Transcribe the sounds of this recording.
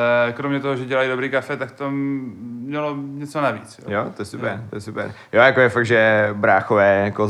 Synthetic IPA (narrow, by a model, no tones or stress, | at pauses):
ɛkɾomɲɛt̪oɦoʒɛɟɛlajidobɾiːkafɛt̪akt̪oː | ɲɛloɲɛt͡sonavḭːt͡sjo̰jot̪ojɛsupɛɾt̪ojɛsupɛ̰ɾjojakojɛfaɡ̪̚ʒɛbɾaːxovɛːjako